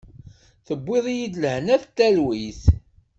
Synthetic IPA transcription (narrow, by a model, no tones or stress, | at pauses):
θəbːɪðˤjid̪ləhnæθt̪ːælwiθ